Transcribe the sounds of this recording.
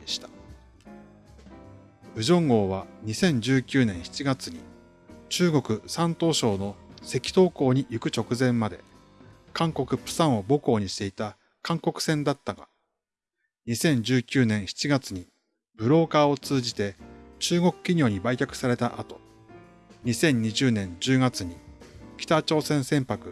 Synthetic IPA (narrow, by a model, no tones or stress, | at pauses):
ɕi̥t̪ḁ | ɯ̟ʑõ̞ŋɡo̞ːβaɲ̟isẽ̞ɲ̟d͡ʑɨːkʲɨːnẽ̞ɰ̃çi̥t͡ɕiɡat͡sɨɲ̟i | t͡ɕɨːɡo̞kɯ̟sãnt̪o̞ːɕo̞ːno̞se̞kʲi̥t̪o̞ːko̞ːɲ̟ijɯ̟kɯ̟t͡ɕo̞kɯ̟zẽ̞mmad̪e̞ | kãŋko̞kɯ̟pɯ̟̥sãɰ̃o̞bo̞ko̞ːɲ̟iɕi̥t̪e̞it̪a | kãŋko̞kɯ̟̥sẽ̞nd̪at̪ːaɡa̰ | ɲ̟isẽ̞ɲ̟d͡ʑɨːkʲɨːnẽɰ̃çi̥t͡ɕiɡat͡sɨɲ̟i | bɯ̟ɾo̞ːkaːo̞t͡sɨːʑit̪e̞t͡ɕɨːɡo̞kɯ̟̥kʲiɲʲo̞ːɲ̟ibaikʲakɯ̟̥saɾe̞t̪aʔat̪o̞ | ɲ̟isẽ̞ɲ̟ɲːiʑɨːnẽ̞ɲ̟d͡ʑɨːɡat͡sɨɲ̟ikʲi̥t̪at͡ɕo̞ːsẽ̞ɰ̃sẽ̞mpakɯ̟